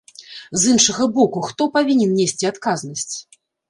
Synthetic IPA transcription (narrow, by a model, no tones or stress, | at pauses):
zɨnʂɐɣɐbɔkuxt̪ɔpavʲinʲɛnnʲesʲt͡sʲiat̪kaznɐsʲt͡sʲ